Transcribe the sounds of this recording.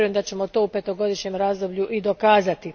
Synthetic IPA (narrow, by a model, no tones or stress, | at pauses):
ɾuje̞md̪at͡ɕe̞mot̪o̞ːupe̞t̪o̞ɡo̞d̪iʃɲe̞mɾaːzd̪o̞bʎuʔid̪o̞kaːzat̪i